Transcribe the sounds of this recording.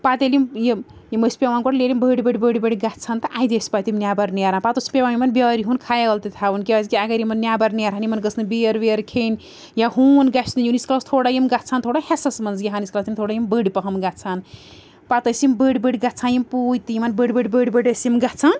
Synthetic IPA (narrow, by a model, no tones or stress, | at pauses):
pat̪elimji | jiməspʲewankoʈlelimbəɽbəɖbəɽbəɽɡatt͡sʰant̪ɐʔajd̪espat̪imnjabɐɾniaɾaːnpat̪ɐsʲpʲewamimɐnbʲeɾiɦunkʰajaɡɐlt̪it̪ʰabunkeazkiaɡɐɾimɐnnjabɐɾnijaɾɦanimɐnɡəsʰnɨbeɾʋeɐɾkʰen | jaɦunɡasnijunisklast̪ʰoɽajimɡat͡sʰant̪ʰoɽahesɐsmɐnzɡiɦanisklasʰimt̪ʰoɽajimbəɽpɐɦɐmɡat͡sʰan | pat̪ɐsimbəɖbəɽɡatt͡sʰanjimpujt̪ijimɐnbəɖbəɖbəɖbəɽɐsimɡat͡sʰan